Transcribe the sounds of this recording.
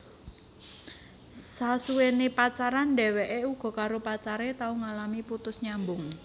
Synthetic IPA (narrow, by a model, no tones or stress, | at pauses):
sasuwenepat͡ʃaɾanɖɛ̤weʔeuɡ̥ɔ̤kaɾopat͡ʃaɾet̪auŋalamiput̪ʊsɲambʊŋ